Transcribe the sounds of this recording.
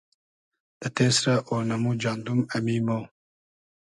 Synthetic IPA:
d̪̥ət̪eːsɾaʔonɐmud͡ʒɑːnd̪umɐmiːmo

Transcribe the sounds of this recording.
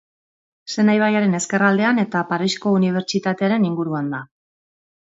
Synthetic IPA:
se̞najβ̞ajaɾe̞ne̞ske̞rald̪e̞ane̞t̪apaɾiʃko̞uniβ̞e̞ɾt͡ʃit̪at̪e̞aɾe̞niŋɡuɾuand̪a

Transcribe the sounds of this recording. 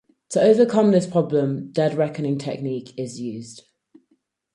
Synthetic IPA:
tʰəəʊvəkʰʌ̃mðɪspʰɹ̥ɒblə̃md̥ɛdɹɛkənɪ̃ŋtʰɛ̰k̚niˑkʰɪzjʉːzd̥

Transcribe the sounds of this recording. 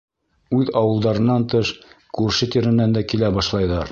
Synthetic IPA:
ʉðɑwɤ̆lˠd̪ɑɾɤ̆nːɑnt̪ɤʃkʉɾʃɘt̪iɾɘ̆nːænd̪ækilæbɑʃlˠɑjðɑɾ

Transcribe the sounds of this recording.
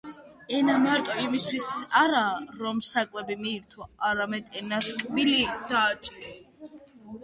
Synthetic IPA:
ɛnamaɾt̪ʼɔimist̪ʰwisaɾaːɾɔmsakʼwɛbimiːɾt̪ʰɔʔaɾamɛd̪ɛnaskʼbilid̪̥aːt͡ʃʼɾ

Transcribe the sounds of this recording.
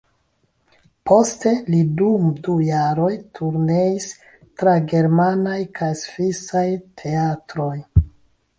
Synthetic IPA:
po̞ste̞lidumdujaɾo̞jtʰuɾne̞is | tɾaɡe̞ɾmanajkajsvisajtʰe̞atɾo̞j

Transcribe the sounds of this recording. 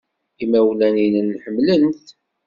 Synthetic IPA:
imæwlæninənħəmlənθ

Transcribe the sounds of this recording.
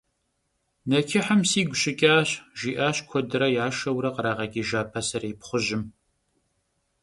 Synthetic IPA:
nɐkʰɪħəmsiːɡʷʊɕɪkʲʼaːɕʒiːʔaːɕkʷʰɔdɨɾɐjaːʃɐwɾɐqəɾaːʁɐɡʲiːʒaːpʰɐsɐriːpχʷʊʑɪm

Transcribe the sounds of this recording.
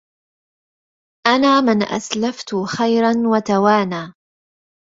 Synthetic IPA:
ʔanaːmɪnʔa̰slaft̪ʊxajɾanwat̪awaːnaː

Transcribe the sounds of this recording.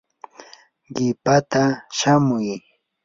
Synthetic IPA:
ɢɪpat̪aʃamʊj

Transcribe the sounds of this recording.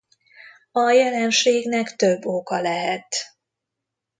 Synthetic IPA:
ɒjɛlɛnʃeːɡnɛkt̪øbːokɒlɛɦɛt̪

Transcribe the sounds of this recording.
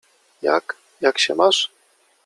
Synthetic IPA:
ja̰k | jakɕɛ̰maʂ

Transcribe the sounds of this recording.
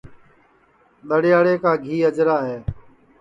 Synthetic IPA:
ɗ̪əɽɪjaːɽeːkaːɡʱiːəd͡ʒɾaːɦeː

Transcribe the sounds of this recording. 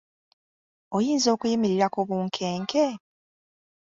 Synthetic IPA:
ojiːnzo̞ːkujimiɾiɾakoβuːŋkʰeːŋkʰe

